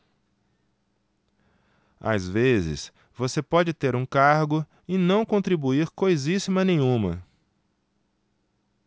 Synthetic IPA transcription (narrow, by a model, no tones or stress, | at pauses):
a̰zvezɪ̰s | vosepɔd͡ʒɪt̪eɾũkaɾɡʊ | ɪnɐ̃w̃kõnt̪ɾibuiɾkojzisimɐnẽjɲ̃ũmɐ̰